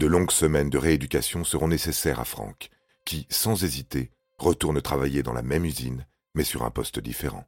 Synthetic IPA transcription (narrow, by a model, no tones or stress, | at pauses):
d̪̥əlɔ̃ɡsəmɛnd̪əʁeed̪ykʲasjɔ̃səʁɔ̃nesesɛʁa̰fχɑ̰̃kʲː | isɑ̃zezit̪e | ʁət̪uʁnət̪χavajed̪ɑ̃la̰mɛmyzin | mɛsyʁɛ̰̃pɔst̪d̪ḭfeʁɑ̰̃